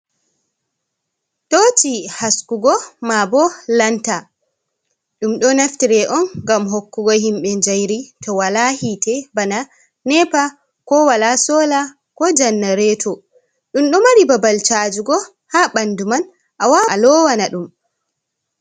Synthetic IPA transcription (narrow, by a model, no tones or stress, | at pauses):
tot͡ʃihaskuɡɔmabɔlanta | ɗumɗɔnaftiɾɛʔɔnɡamɦokːuɡɔɦimɓɛnd͡ʒajɾitɔwalahitɛbana | nɛpa | kɔwalasɔːla | kɔd͡ʒanːaɾɛtʰɔ | ɗumɗɔmaɾibabalt͡ʃad͡ʒuɡɔ | haɓanduman | ʔawalɔwanaɗum